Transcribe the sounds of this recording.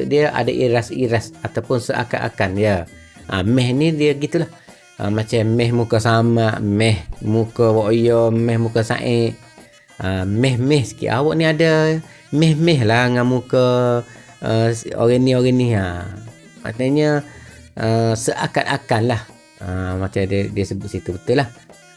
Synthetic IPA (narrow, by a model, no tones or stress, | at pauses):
ʔdiəʔa̰dəʔiɾasiɾasat̪awpʊnsəʔa̰kat̪a̰kanjə | ʔa̰mɛhnidiəɡit̪ulah | əmat͡ʃammɛhmukəsamaʔmɛhmukəwoʔjomɛhmukəsa̰ʔɪʔ | əmɛhmɛhsə̥kḭʔa̰wɔʔniadə | mɛhmɛɦlahŋamukə | o̰ɣənioɣəniɦa | ma̰t̪aɲə | əsəʔaka̰t̪akanlah | əmat͡ʃaddiəsəbʊʔ̪sit̪ubət̪ulah